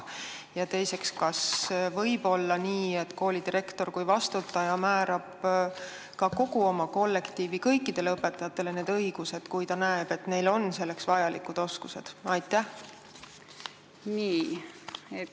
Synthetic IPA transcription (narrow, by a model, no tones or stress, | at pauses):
jɑt̪e̞jse̞kskɑsvɤjb̥o̞lːɑniːe̞t̪ːko̞ːlʲid̪̥iɾe̞kt̪o̞rkujvɑst̪ut̪ːˑɑjɑmæːɾɑb̥ | kɑko̞ɡ̥uo̞mɑko̞lːe̞kt̪iːvikɤjkˑːid̪̥e̞leɤpːe̞t̪ːˑɑjɑt̪ːˑe̞le̞ne̞ːd̪ɤjɡ̥use̞d̪̥kujt̪ɑnæeb̥e̞t̪ne̞jlo̞nse̞lːe̞ksvɑjɑlikːˑud̪̥o̞skuse̞d̪̥ɑjt̪ːˑæh | niː | e